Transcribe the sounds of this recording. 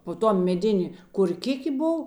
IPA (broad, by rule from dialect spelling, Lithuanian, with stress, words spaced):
poː ˈtuɔ mʲɛˈdʲeːnʲeː koːrʲˈkʲɪkʲeː ˈboːw